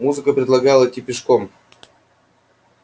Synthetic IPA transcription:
muzɨkəpɾʲɪd̪lˠɐɡalˠəitʲːipʲɪʂkom

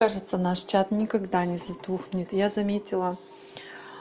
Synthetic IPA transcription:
aʐɨt̪sənaʂt͡ɕat̪nʲɪkɐɡd̪anʲɪzɐt̪uxnʲɪt̪jazɐmʲetʲɪlˠə

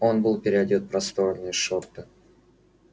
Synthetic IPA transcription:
o̞nbɨlˠpʲɪɾʲɪɐdʲot̪̚pɾɐst̪o̞ɾnɨjʂort̪ɨ

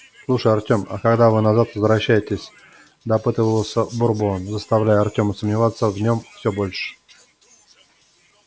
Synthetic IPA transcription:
slˠuʂəjɐrtʲoma̰kɐɡd̪avɨnazat̪vəzvɾɐɕːæjɪtʲɪsʲ | d̪ɐpɨt̪əvəlˠsʲəbʊrbonzəst̪ɐvlʲæjɐrtʲo̞məsəmnʲɪvat̪sːəvnʲo̞mfsʲobolʲʂɨ̥

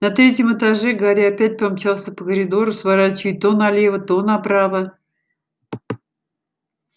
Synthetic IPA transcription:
nɐt̪ɾʲetʲjəmɨt̪aʐɛɡaɾʲɪapʲæt̚ʲpamt͡ɕalˠsʲəpəkəɾʲɪd̪o̞ɾʊsvaɾatʲjʊt̪onɐlʲevət̪onɐpɾavə

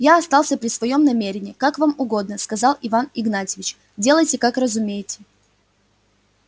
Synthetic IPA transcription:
jaɐst̪ɑlˠsʲəpɾʲɪsvɐjo̞mnɐmʲeɾʲɪnʲɪːkakvamʊɡo̞d̪̚nəskɐzalˠɪvanɪɡnatʲɪvʲɪt͡ɕ | dʲe̞lˠəjtʲɪkakrəzʊmʲejɪtʲɪ̥

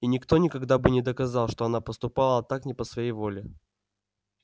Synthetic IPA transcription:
inʲɪkt̪o̞nʲɪkɐɡd̪abɨnʲɪd̪əkɐzɑlˠʂt̪o̞ɐnapəst̪ʊpalˠəɐt̪aknʲɪpəsvɐjejvo̞lʲɪ

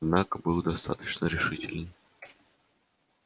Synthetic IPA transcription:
d̪nakəbɨlˠd̪ɐst̪a̰t̪ə̥t͡ɕnəɾʲɪʂɨtʲɪlʲɪn

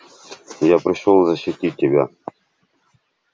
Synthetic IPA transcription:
japɾʲɪʂolˠzəɕːɪtʲit̚ʲːɪbʲa̰

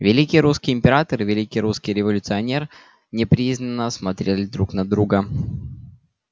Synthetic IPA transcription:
vʲɪlʲikʲijɾuskʲɪjɪmʲpʲɪɾat̪əɾɨvʲɪlʲikʲijɾuskʲijɾʲɪvəlʲʊt̪sɨɐnʲer | nʲɪpɾʲiznənːəsmɐt̪ɾʲelʲɪd̪ɾuknɐd̪ɾuɡə

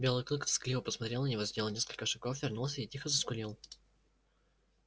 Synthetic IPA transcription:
bʲe̞lˠɨjklˠɨkt̪sklʲivəpəsmɐt̪ɾʲe̞lˠnənʲɪvozʲd̪ʲelˠnʲe̞skəlʲkəʂɐkɡofvʲɪrnulˠsʲəitʲixəzəskʊlʲilˠ

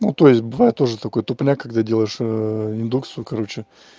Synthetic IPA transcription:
nut̪o̞jɪsʲt̚ʲbɨvajɪt̪ːo̞ʐɨt̪ɐko̞jt̪ʊpnʲakɐɡd̪adʲe̞lˠəjɪʂɪnd̪uk̚t̪sɨjʊkɐɾo̞t͡ɕɪ

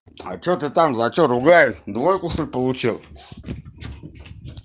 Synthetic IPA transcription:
a̰t͡ʃʰot̪ɨt̪ʼamzat͡ʃʰʼoɾuɡajd̪wojkʷʼuʂupolˠut͡ʃʰil

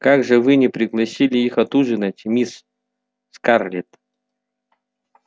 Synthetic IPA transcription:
kaɡʐɨvɨnʲɪpɾʲɪɡlˠɐsʲilʲɪixɐt̪uʐɨnɐtʲmʲis | skarlʲit̪

